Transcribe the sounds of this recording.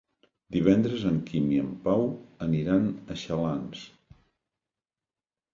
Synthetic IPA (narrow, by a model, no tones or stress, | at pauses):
d̪iβ̞ɛnd̪ɾəzəŋkimiəmpawəniɾanəʃəlans